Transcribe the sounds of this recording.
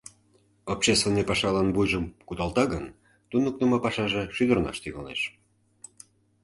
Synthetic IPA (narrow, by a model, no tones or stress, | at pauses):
opɕest̪venːepɑʃɑlɑnbujʒəmkut̪ɑlt̪ɑɣən | t̪unək̚numɑpɑʃɑʒeʃyd̪ərnɑ̰ʃt̪iɣə̰lnḛʃ